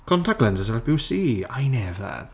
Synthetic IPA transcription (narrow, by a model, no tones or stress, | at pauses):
kʰɔntʰaklɛnzəs̬ɛlbiwsiːajnɛvə̰